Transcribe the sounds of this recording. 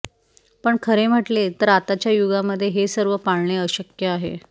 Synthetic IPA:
pəɳkʰəɾem̤əʈlet̪əɾat̪at͡ɕjajuɡaməd̪ʱːjeɦesəɾʋəpaɭɳeəɕəkjəaɦḛ

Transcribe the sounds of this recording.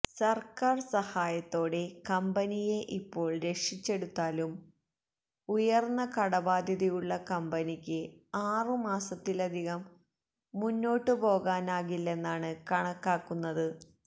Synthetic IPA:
sɐrkaːrsɐhaːjɐt̪ːo̞ːɽe̞kɐmbɐnije̞ʔipːo̞ːɭɾe̞ʂit͡ɕːe̞ɽut̪ːaːlum | ujɐrnːɐkɐɽɐbaːd̪ʱjɐðijuɭːɐkɐmbɐnikʲːɨaːrɨmaːsɐt̪ːilɐd̪ʱiɣɐmː | unːo̞ːʈːɨpo̞ːɣaːnaːɣilːe̞nːaːɳɨkɐɳɐkːaːkːunːɐðɨ

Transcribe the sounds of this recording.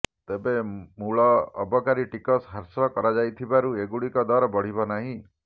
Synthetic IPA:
t̪ebemuɭɔ̰ːbɔkaɾiʈikɔsɦaɾsɔkɔɾad͡ʒajt̪ʰibaɾueɡuɽikɔd̪ɔɾɔbɔɽ̤ibɔnaɦĩ

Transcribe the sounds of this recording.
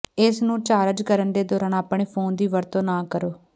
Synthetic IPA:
ɪsnũːt͡ʃaːɾəd͡ʒkəɾənd̪eːd̪ɔːɾaːnaːpɳeːpʰoːnd̪iːʋəɾt̪õːnãːkəɾoː

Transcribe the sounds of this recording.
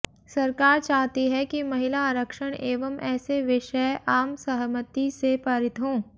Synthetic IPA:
sɐɾkaːɾt͡ʃaːɦt̪iɦɛkimɐɦɪlaɾəkʃəɽ̃eːʋəmʔɛːseʋɪʃəʔaːmsɐɦmət̪isepaːɾɪt̪ɦõː

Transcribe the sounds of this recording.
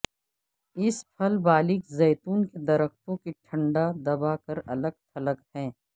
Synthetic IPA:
ɪspʰɐlbaːlɪkzɛːt̪uːnked̪ɐɾəxt̪õkiʈʰɐ̃ɳɖad̪ɐbakɐɾɐləɡ̚t̪ʰɐləkhɛ̃ː

